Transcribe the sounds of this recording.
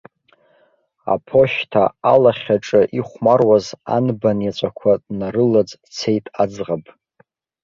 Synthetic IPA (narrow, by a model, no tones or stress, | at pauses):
a̰pʰo̞ʃtʰaalaχʲaʈ͡ʂʼɨʔiχʷmarwaza̰nbanjat͡ʃʷʼakʷʰadnaɾɨlad͡z | t͡sʰe̞jtʼad͡zʁapʼ